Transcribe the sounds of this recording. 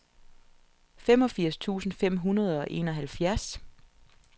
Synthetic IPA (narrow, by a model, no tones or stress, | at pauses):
fem̰ɒ̽fiɐ̰st͡sʰṵːsn̩fem̰ɦunɐð̞ˠɒ̽ʔe̝̰ːnɒ̽ɦælfjæɐs